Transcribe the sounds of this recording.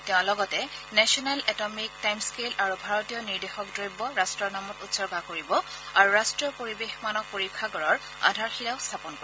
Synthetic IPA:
teʊ̃lɔɡɔtɛnɛsɔnalɛtɔmik̚tajmskelaɹubʱaɹɔtijɔniɹdexɔk̚dɹojbːɔɹastɹɔnamɔtutsɔɹɡʱakoɹibɔ | aɹuɹastɹijɔpoɹibexmanɔk̚poɹikʰːaɡɔɹɔɹ | a̰dʱaɹxilaʊst̪ʰapɔnko

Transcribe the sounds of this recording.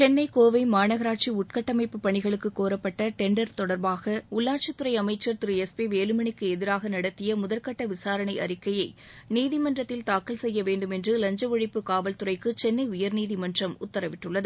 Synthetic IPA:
t͡ʃɛnːɐɪkoːʋɐɪmaːɳɐɣɐɾaːʈ̚t͡ʃiʊʈ̚kɐʈːɐmɐɪpːɯpːɐɳɪɣɐɭɯkːɯkːoːɾɐpːɐʈːɐʈɛɳɖɐɾt̪ɔɽɐɾbaːɣɐʊɭːaːʈ̚t͡ʃɐt̪ːɯɾɐɪɐmɐɪt͡ʃːɐɾt̪ɯɾɯɛspiʋeːlɯmɐɳɪkːɯɛðɪɾaːɣɐnɐɽɐt̪ːɪjɐmʊðɐlkɐʈːɐʋɪsaːɾɐɳɐɪʔɐ̰ɾɪkːɐjɐɪniːðɪmɐndrɐt̪ːɪlt̪aːkːɐlsɛjːɐʋeːɳɖɯmɛndrɯlɐɲd͡ʒɐʋɐɻɪpːɯkaːʋɐlt̪ɯrɐɪkɯt͡ʃɛnːɐɪʊjɐɾniːðɪmɐndrɐmʊt̪ːɐɾɐʋɪʈːɯɭːɐðɯ

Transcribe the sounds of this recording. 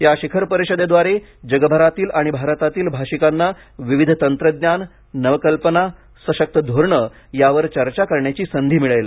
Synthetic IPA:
jaɕikʰəɾpəɾiɕəd̪ed̪ʋaɾe | d͡ʑəɡəbʱaɾat̪iːlaɽ̃ibʱaɾət̪at̪iːlbʱaɕikanːa | ʋiʋid̪ʱt̪ənt̪ɾəd̪njanː | əʋəkəlpəna | səɕək̚t̪əd̪ʱoɾɳə | jaʋəɾt͡ɕəɾt͡ɕakəɾɳjat͡ɕiːsənd̪ʱiːmiɭəjlə

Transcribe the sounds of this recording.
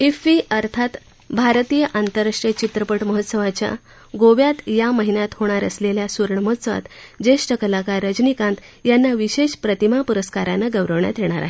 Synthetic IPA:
ifiəɾt̪ʰat̪ | bʱaɾt̪ijəʔant̪əɾːaʂʈɾət͡ɕit̪ɾəpəʈməɦət̪ːsəʋat͡ɕja̰ | ɡoʋjat̪jaməɦinjat̪hoɽ̃aɾə̰sleljasuɾɳəməɦət̪səʋa̰t̪d͡ʑeʂʈəkəlakaɾəd͡ʑnikãnt̪janːaʋiɕeɕpɾət̪imapuɾəskaɾanaɡəʋɾəʋɳja̰t̪jeɽ̃a̰ɾa̰ɦe

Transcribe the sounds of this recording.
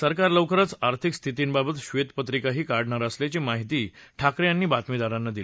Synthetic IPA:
səɾkaɾləwkəɾət͡saɾt̪ʰikst̪ʰit̪iːnbabət̪ɕʋet̪pət̪ɾikaɦiːkaɽɳaɾəslet͡ɕiːmaɦit̪iːʈʰakɾjãnːiːbat̪mid̪aɾanːad̪ili

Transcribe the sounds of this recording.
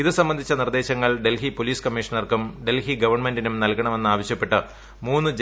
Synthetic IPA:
iðɨsɐmbɐnd̪ʱit͡ɕːɐnird̪e̞ːɕɐŋːɐɭɖelɦipoliːskɐmːiʂɐnɐrkumɖe̞lhiɡɐʋɐrɳme̞ndinumnɐlkɐɳɐme̞nːaːʋɐɕjɐpːe̞ʈːɨ | muːnːɨd͡ʑ

